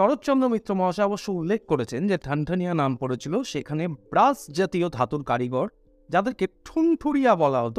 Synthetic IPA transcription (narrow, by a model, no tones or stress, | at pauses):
ʃɔɽot̪t͡ɕɔnd̪ɾomit̪ːɾomɔɦaʃaaboʃːoulːek̚ʰkoɾet͡ɕʰend͡ʑeʈʰaɳʈʰanijanampoɾet͡ɕʰiloʃekʰanebɾasd͡ʑat̪iod̪ʱat̪uɾkaɾiɡɔɾ | d͡ʑad̪eɾkeʈʰunʈʰuɽijabɔlaɦot̪